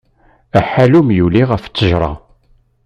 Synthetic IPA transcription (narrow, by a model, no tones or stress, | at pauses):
æħælumjuliʁəft͡sːəʒɾˤɑ̰